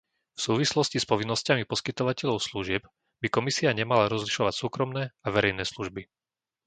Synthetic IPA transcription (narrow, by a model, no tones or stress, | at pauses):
fsuːʋislɔscispɔʋinːɔscamipɔskit̪ɔʋacɛʎɔʊsluʒɪɛb | bikɔmisiaɲɛmalaɾɔzliʃɔʋacsuːkɾɔmnɛːaʋɛɾɛjnɛːsluʒbi